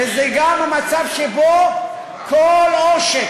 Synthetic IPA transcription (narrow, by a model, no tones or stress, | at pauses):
ezɛɡamamat͡savʃebo | kʰoloʃe